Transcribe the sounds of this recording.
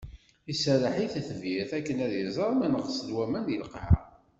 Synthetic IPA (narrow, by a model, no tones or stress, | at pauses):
isəɾəħiθθəvjɪθækːənæðjəzˤɑɾˤmænəʁsəlwæmænəlqʕa̰